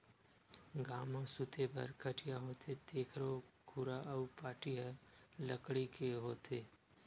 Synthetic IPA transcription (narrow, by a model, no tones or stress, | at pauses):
ɡaːmãsʊt̪ʰebɐ̰ɾkʰəʈʰijaɦoːt̪ʰet̪eːkʰɾokʰuɾaʔəupaːʈiɦɛləkɽikeɦoːt̪ʰeː